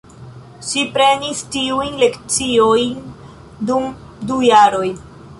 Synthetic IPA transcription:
ʃipɾe̞nistiujnle̞kt͡sio̞jn | dum | dujaɾo̞j

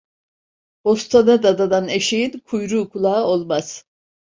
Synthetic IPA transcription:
bost̪ʰanad̪ad̪ad̪aneʃejinkʰujɾuːkʰulˠaːolˠmaz̥

